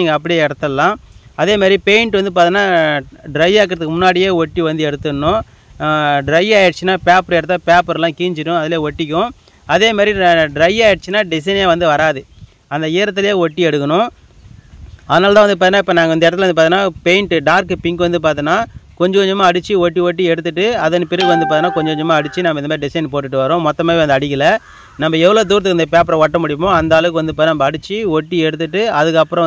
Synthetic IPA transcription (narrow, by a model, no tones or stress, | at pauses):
iːŋɡɐɐp̬ːɐɽɪjeɛɽɐt̪ːɐlːãːɐðeːmaːɾɾipeɪɳʈʋɐnd̪ɯp̬aːɾt̪ɪnːaːɖɾɐɪaːk̬ɪɾɐðɯkːɯmʊnːaːɽɪjeːɔʈːiʋɐnd̪ɯɛɽɯt̪ːɯnːʊ̃ | ɖɾɐɪaːjɪɽt͡ʃːɯnaːpaːpɐɾɛɽɐt̪ːaːpaːpɐɾlãːkiːɲd͡ʒɪʈːʊ̃ɐðɪleːɔʈːɪk̬ʲːʊ̃ | ɐðeːmaːɾɾiɖɾɐɪaːjɪɽt͡ʃːɯnːaːɖɪsɐɪneːʋɐnd̪ɯʋɐɾaːðɯ | ɐnd̪ɐiːɾɐt̪ːɪljeːɔʈːiɛɽɯkːɐnʊ̃ | ɐðnaːlt̪ãːʋɐnd̪ɯpːaːt̪ɪnːaːɪpːɐːnaːŋɡɐɪnd̪ɛɽɐt̪ːɪlʋɐnd̪ɯpaːɾt̪ɪnːaːpeɪɳʈɯɖaːɾkɯpɪŋkɯʋɐnd̪ɯp̬aːɾt̪ɯnaːkɔɲd͡ʒɐkɔɲd͡ʒɐmːaːɐɽɯt͡ʃːɯɔʈːiɔʈ̬ːiɛɽɯt̪ːɯʈːɯɐðɐnɯpɪɾɯɣɯʋɐnd̪ɯpaːɾt̪ɪnːaːkɔɲd͡ʒɐkːɔɲd͡ʒɐmːaːɐɽɯt͡ʃːɯnɐmːɐnɐmaːɾɪɖɪsɐɪnpoːʈːɯʈːɯʋɐɾʊ̃mɔt̪ːɐmaːdɾiʋɐnd̪ɯɐɽɪkːɪlɐ | nɐmːɐɛʋːɐɭoːt̪uːɾɐt̪̬ɯkːɯnd̪ɐpeːp̬ɐɾɐ̃ʋɔʈːɐmʊɽɪjɐmõɐnd̪aːlɯk̬ːɯʋɐnd̪ɯpaːt̪ːnaːnɐmɐːɽɯt͡ʃːɯɔʈːiɛɽɯt̪̬ːɯʈːɯɐðɯkːɐpːɯɾɔ̃